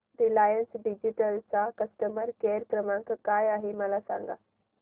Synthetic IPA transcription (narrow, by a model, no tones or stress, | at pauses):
ɾilaːjənsɖɪd͡ʑiʈəlsãkɐsʈəməɾkeːɾkɾəmãkkaːjaːɦemɐlasã̰ːŋɡa̰ː